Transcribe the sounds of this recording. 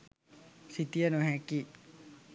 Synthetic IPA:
sit̪ianoɦɛki

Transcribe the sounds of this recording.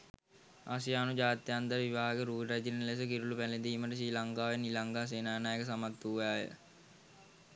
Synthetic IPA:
a̰ːsijaːnud͡ʒaːt̪jand̪əɾʋiʋaːɦaɡəɾuːɾad͡ʒinnles̬əkiɾulupæled̪iːməʈəs̬iːlaŋɡaːʋenilaŋɡaːs̬eːnaːnaːjəkəs̬amat̪ːuʋaːjə̰

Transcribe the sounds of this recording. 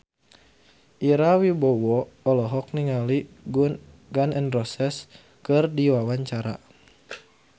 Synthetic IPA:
ʔiɾawibɔwɔɔlɔɦɔk̚niŋali | unɡanɛnrɔsɛs | kɨrdiwawaɲt͡ʃaɾa̰

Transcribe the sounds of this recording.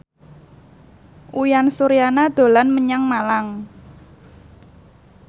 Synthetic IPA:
ʔujansuɾijanad̪̥o̤lanməɲaŋmalaŋ

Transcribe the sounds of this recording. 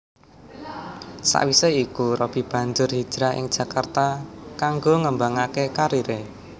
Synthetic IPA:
sa̰ʔwiseikuɾɔb̥i̤b̥a̤ɲd͡ʒʊrɦi̥d͡ʒ̥ɾaɪ̰ŋ̥ʒ̥a̤kart̪akaŋɡoŋəmbaŋakekaɾiɾe

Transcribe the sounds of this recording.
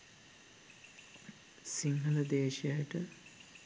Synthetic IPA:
siŋɦɐləd̪eːʃjajəʈə

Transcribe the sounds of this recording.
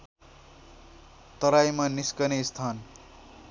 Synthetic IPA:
t̪ʌɾajmʌniskʌnest̪ʰan

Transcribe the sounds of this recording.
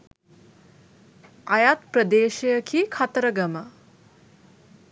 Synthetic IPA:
ajat̪̚prəd̪eːʃejəkʰikʰat̪ɾəɡəmə

